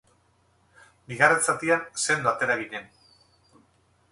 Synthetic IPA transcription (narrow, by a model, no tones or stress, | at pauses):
biɣaret͡sat̪ianse̞nd̪at̪e̞ɾaɣiɲe̞n